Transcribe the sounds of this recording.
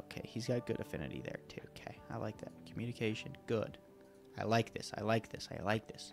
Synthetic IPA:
oʊkʰeɪizɡɑt̚ɡ̥ʊɾɨfɪ̃nɨ̰ɾḭðə̰˞tʰʉokʰeɪaɪlʔa̰ɪk̚ðɨ̰t̚kʰm̩jʉ̃nɨkʰeɪʃɨ̃nɡ̥ʊd̥ | aɪlaɪk̚ðɪ̰saɪlaɪk̚ðɪsaɪlaɪk̚ðɪs

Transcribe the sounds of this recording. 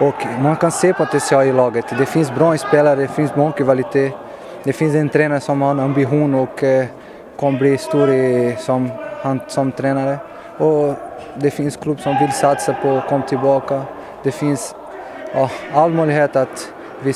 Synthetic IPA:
ɔkmankanseːpʰɔt̪ʰɛnsɪɑːlɪlɑːɡət̪d̪ɛfɪnsbɾɑːɛspeːlaɾəd̪ɛfɪnsbɔkvalɪt̪ʰeː | d̪ɛfɪnsɛnt̪ʰɾɛːnaɾsɔmhaɾnambɪɧuːnɔkʰː | ɔmːbliːst̪uːɾəsɔmhansɔmt̪ʰɾɛːnaɾə | ɔ | d̪ɛfɪnskʰlʉbsɔmvɪlsat̪sapʰɔkʰɔmːat̪ʰɪlbɑːka | d̪̥ɛfɪns | jɑːalːmœʏlɪheːt̪at̪ | vɪ

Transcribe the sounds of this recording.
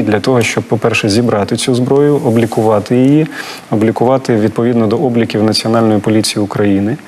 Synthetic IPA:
d̪lʲɐt̪ɔɦɔʃt͡ʃɔb̚pɔpɛrʃɛzʲibɾɑt̪ɪt͡sʲuzbɾɔjʊɔblʲikʊʋɑt̪ɪjiji | ɔblʲikʊʋɑt̪ɪʋʲid̪̚pɔʋʲid̪nɔd̪ɔɔblʲikʲiwnɐt͡sʲiɔnɑlʲnɔjipɔlʲit͡sʲijiʊkɾɐjinɪ

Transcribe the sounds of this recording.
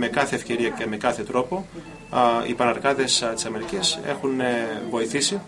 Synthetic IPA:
me̞kɐθe̞ːfce̞ɾiɐce̞me̞kɐθe̞t̪ɾo̞po̞ | ḭpɐnɐɾkɐðest̪i̥sɐme̞ɾicise̞̰xunvo̞iθisi

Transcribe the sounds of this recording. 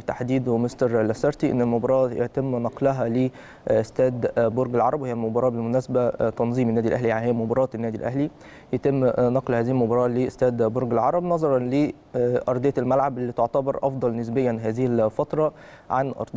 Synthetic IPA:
t̪aħd̪iːd̪mest̪ɑɾˤlæsɑɾˤt̪iʔḛnːelmobɑɾˤɑːjḛt̪emːnɑqlæɦæle | ʔost̪æːd̪boɾɡelʕɑɾˤɑbwhejælmobɑɾˤɑːbelmʊnæːsæbæt̪ɑnzˤiːmenːæːd̪ilʔæɦlijaʕnihejːælmobɑɾˤɑːt̪nːæːd̪ilʔæ̰ɦli | jæt̪emːnɑqlhæːzɪhilmobɑɾˤɑːleʔost̪æːd̪boɾɡelʕɑɾˤɑbnɑzˤɑɾˤɑnle | ʔɑɾˤd̪ˤejɑlmælʕabʔelːiːt̪oʕt̪æbɑɾˤʔɑfd̪ˤɑlnɪs̬bejːænɦæːzɪhilfɑt̪ɾˤɑ | ʕanʔɑ̰ɾˤd̪

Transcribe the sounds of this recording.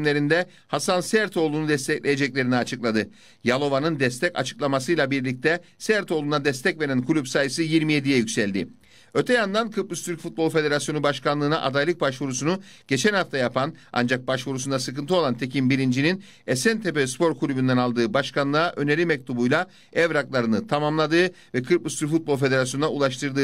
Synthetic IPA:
mlʲe̞ɾind̪ɛ | hasansæɾt̪ʰo̞ːlˠunud̪ɛst̪ʰɛclʲe̞je̞d͡ʒɛc̚lʲe̞ɾiniat͡ʃʰɯklˠad̪ɯ | jalˠo̞vanɯnd̪ɛst̪ʰɛca̰t͡ʃʰɯ̥klˠamasɯjlˠabiɾlʲic̚t̪ɛsæɾt̪ʰo̞ːlˠunad̪ɛst̪ʰɛcve̞ɾænkʰulʲypsaːjɯsɯjiɾmije̞d̪ijɛjycʲsælʲd̪ɪ̰ | ø̞t̪ʰɛjand̪ankʰɯplˠust̪ʰyɾcfut̪̚bo̞lˠfe̞d̪e̞ɾasjo̞nubaʃkanlˠɯːna̰ʔad̪ajlˠɯk̚baʃvuɾusunu | ɟ̥e̞t͡ʃʰænhaft̪ʰajapʰana̰nd͡ʒak̚baʃvuɾus̬und̪asɯkɯnt̪ɯo̞lˠant̪ʰe̞cʰimbiɾind͡ʒinin | ɛsɛnt̪ʰepøspo̞ɾkʰulʲybynd̪ænalˠd̪ɯːbaʃkʰanlˠɯaʔø̞ne̞ɾʲimɛc̚t̪ʰubujlˠa | ɛvɾaklˠaɾɯnɯt̪ʰamamlˠad̪ɯː | vɛkʰɯɾplˠust̪yɾfut̪̚blˠfe̞d̪e̞ɾasjonunaulˠaʃt̪ʰɯɾd̪ɯː

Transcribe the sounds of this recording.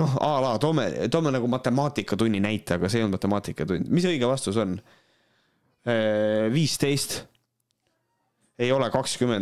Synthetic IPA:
no̞hɑːlɑːt̪o̞mḛt̪o̞menɑɡumɑt̪ːˑe̞mɑːt̪ˑikːˑɑt̪unʲːinæjt̪ːˑeɑɡ̥ɑseonmɑt̪ːˑemɑːt̪ikːˑɑt̪unʲd̪̥mis̬ɤjɡ̥evɑst̪uso̞n | viːst̪e̞jst̪ | e̞jo̞lɛkɑkskymend̪

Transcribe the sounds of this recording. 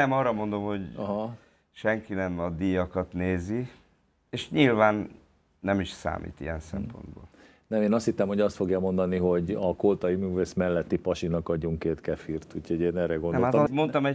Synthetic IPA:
ɛmɒːrːɒmo̞nd̪o̞mho̞ɟɦɒ | ʃɛŋkinɛmɒd̪ijɒkɒt̪neːzi | eːʃɲilvaːnː | ɛmiʃsa̰ːmḭːt̪ḭɛ̰nsɛ̰mpo̞̰nd̪bo̰ːl | nɛmeːnɒst̪hit̪ːɛmho̞ɟɒst̪fo̞ɡjamo̞nd̪ɒniɦo̞ɟɒkolt̪ɒjimyːveːsmɛlːɛt̪ːipɒʃinɒkɒɟːuŋkeːt̪kɛfirt̪ucʰho̞ɟeːnɛːrɾɛɡonɛomat̪mo̞nt̪ɒmɛ

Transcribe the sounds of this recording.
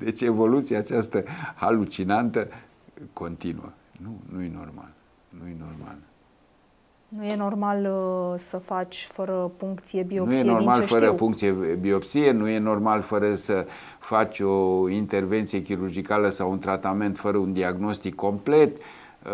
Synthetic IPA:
d̪e̞t͡ʃʲe̞vo̞lut̪siaːt͡ʃast̪əhalut͡ʃinant̪ə | ko̞nt̪inṵə̰ | nunujeno̞̰rma̰l | nujeno̞rma̰l | nuje̞no̞rmalsəfat͡ʃʲfəɾəfuŋkt̪sijebinonuje̞no̞rmalfəɾəfuŋkt̪sijebio̞psienuje̞no̞rmalfəɾəsə | fat͡ʃʲo̞int̪e̞rve̞nt̪sijekʲiɾurd͡ʒikaləsawunt̪ɾat̪ame̞nt̪fəɾəund̪iaɡno̞st̪ikʰːo̞mple̞t̪

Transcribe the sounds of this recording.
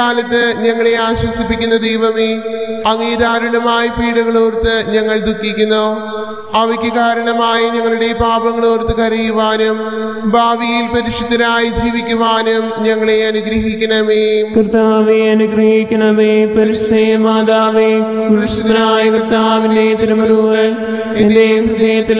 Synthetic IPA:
aːlɐt̪ːɨɲɐŋːɐɭeaːɕwɐsipːikʲːunːɐd̪ejʋɐmeːɐŋiːd̪aːɾɐɳɐmaːjipiːɽɐɣɐɭoːrt̪ɨɲɐŋːɐɭd̪ukːikʲːunːo | ɐʋɐkʲːɐkaːɾɐɳɐmaːjiɲɐŋːɐɭuɽe̞baːbɐŋːɐɭoːrt̪ɨkɐrijuʋaːnum | bʱaːʋijilpɐɾiʂut̪ːɐnaːjid͡ʑiːʋikʲːuʋaːnumɲɐŋːɐɭeɐnuɡɾɐɦikʲːɐɳɐmeːkrɨt̪ːaːʋeɐnuɡɾɐɦikʲːɐɳɐmeːpɐɾiʂd̪ɐjmaːd̪aːʋekɐɾiʂt̪ːɐnaːjikrɨt̪ːaːʋindet̪iɾɐmɐnuːʋɐ | ended̪ɐjɐt̪ːi

